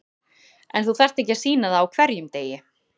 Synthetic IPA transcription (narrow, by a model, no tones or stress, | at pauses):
ɛnθuθɛr̥t̪ehcɪḁsiːnaðaːwkʰvɛɾjʏmt̪eːjɪ